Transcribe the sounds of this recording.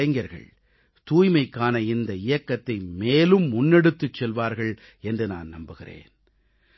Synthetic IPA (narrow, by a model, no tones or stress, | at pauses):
ɐɪŋɡɐɾɣɐ̰ɭ | t̪uːjmɐɪkːaːnɐɪnd̪ɐɪjɐkːɐt̪ːɐɪmeːlɯmːʊnːɛɽɯt̪ːɯt͡ʃːɛlʋaːɾɣɐɭ | ɛndrɯna̰ːnnɐmbɯɣɪrḛːn